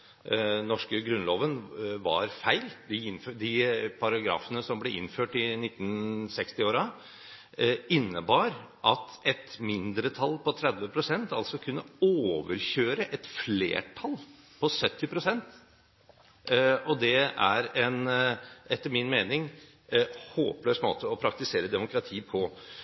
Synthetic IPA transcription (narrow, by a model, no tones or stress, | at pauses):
nɔʂkəɡɾʉnloːʋənʋɑ̰ɾfæɪld̪ɪɪnfød̪ɪpʰɑɾɑɡɾɑ̰ːfənəsɔmblɛʔɪ̰nːføːʈɪnɪt̪ːn̩sɛkst̪ɪoːɾɑ | ɪnːəbɑːɾʔɑt̪ɛt̪mɪnd̪ɾət̪ʰɑlpɔt̪ʰɾɛd̪ʋəpʰɾʊsɛnt̪ɑlsɔkʰʉnːəoːʋəɾçøːɾəʔɛt̪flḛːʈʰɑl | pʰɔsœt̪ːɪpɾʊsɛnt̪ | ɔd̪ɛæ̰ɾɛnʔɛt̪ːəɾmɪnmeːnɪŋ | hoːpløːsmo̰ːt̪əɔpʰɾɑk̚t̪ɪseːɾəd̪ɛmʊkʰɾɑt̪ʰiːpʰɔ